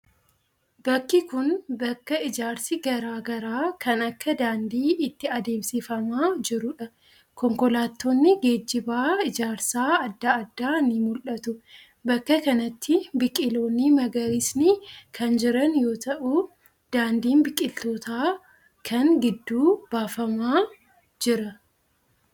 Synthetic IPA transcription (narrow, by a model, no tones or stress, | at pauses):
bɐkːɪkʊnbɐkːɐɪd͡ʒaːɾsɪɡɐɾaːɡɐɾaːkʰɐnɐkːɐd̪aːnd̪iːɪt̪ːɪɐd̪e̞ːmsɪfɐmaːd͡ʒɪɾʊᶑɐ | kɔŋkɔlaːt̪ːo̞ːnːɪɡe̞ːd͡ʒːɪbaːɪd͡ʒaːɾsaːɐd̪ːaɐd̪ːaːnɪmʊlʔɐt̪ʊ | bɐkːɐkɐnɐt̪ʰːɪbɪkʼɪlo̞ːnːɪmɐɡɐɾɪsnɪkʰɐnd͡ʒɪɾɐnjo̞ːt̪ɐʔʊ | d̪̥aːnd̪iːnbɪkʼːɪlt̪o̞ːt̪aː | kʰɐŋɡɪd̪ːuːb̥aːfɐmaː | d͡ʒɪɾɐ